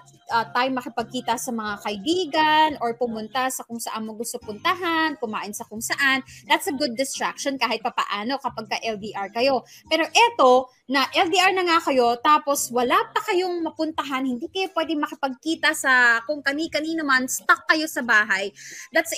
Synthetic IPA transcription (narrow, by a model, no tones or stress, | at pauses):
ʔɐt̪aːjoŋmɐkɪpɐɡ̚kiːt̪ɐsɐmɐŋakɐʔɪbiːɡɐnʔoɹpʊmʊnt̪asɐkʊŋsɐʔanmɐɡʊst̪opʊnt̪ɐɦankʊmaːʔɪnsɐkʊŋsɐʔand̪at̪sɐɡʊd̪̚ːɪst̪ɹak̚ʃonkaːhɪt̪̚pɐpɐ̰ʔaːno̞kɐpɐɡ̚kɐʔɛld̪iːʔaɹkɐjo̞pɛːɾo̞ʔɛt̪o̞ | nɐʔɛld̪iʔaɹnɐŋakɐjo̞t̪aːpo̞swɐlaːpɐkɐjo̞ŋmɐpʊnt̪ɐɦanhɪnd̪iːkɐjopwɛːd̪ɪŋmɐkɪpɐɡ̚kiːt̪ɐsɐkʊŋkɐnikɐniːnɐmɐnst̪akːɐjo̞sɐbaːɦajd̪at̪s